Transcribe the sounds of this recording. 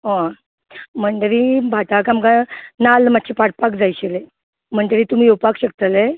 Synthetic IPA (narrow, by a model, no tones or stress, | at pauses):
ɦã | məɳɖəɾibʱaʈ̪akamkanalmat̪̚ːɕʰipaɽpakd͡zajɕele | m̤əɳʈ̪əɾit̪um̤iːowpakɕək̚t̪əle